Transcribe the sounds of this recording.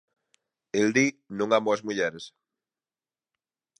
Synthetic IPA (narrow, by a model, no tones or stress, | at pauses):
eld̪inõŋamoezmuʎɛɾes